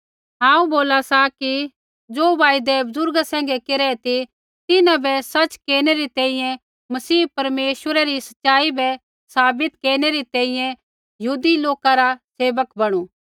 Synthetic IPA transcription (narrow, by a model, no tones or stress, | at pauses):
ɦãːũboːlasaki | d͡ʒoːʋaːid̪ɛbʊzʊɾɡasɛ̃ːŋɡɛkeɾɛɛt̪i | t̪ɪnãbɛsɐt͡ʃkeːñeɾit̪ɛ̃ːĩjɛ̃ | mɐsiːpɐɾmeːʃwəɾɛɾisɐ̥tːʃaːibɛ | saːbɪt̪keːɾñeɾit̪ɛ̃ːĩjɛ̃ | jɐɦuːd̪iloːkaɾaseːʋəkbɐɽ̃uː